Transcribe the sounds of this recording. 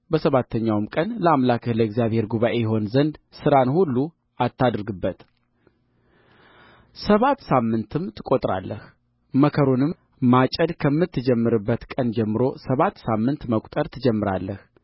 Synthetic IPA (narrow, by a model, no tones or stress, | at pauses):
bəsəβat̪ʰːəɲːawmkʼənləamlakʰəhləɪɡzijaβhe̞ɾɡuβaʔe̞jɛɦo̞nzənd̪sɨɾanhulːu | at̪ːad̪ɾɡɨbːət̪ | səβat̪ːsamːɨnt̪ʰɨmt̪ʰɨkʼo̞t̪ʼɾa̰lːəh | məkʰəɾunɨm | mat͡ʃʼəd̪kʰəmːɨt̪ʰːɨd͡ʒɛmːɨɾɨbːət̪kʼənd͡ʒɛmːɨɾo̞səβat̪ːsamːɨnt̪məkʷʼt̪ʼəɾt̪ʰɨd͡ʒɛmːɨɾa̰lːəh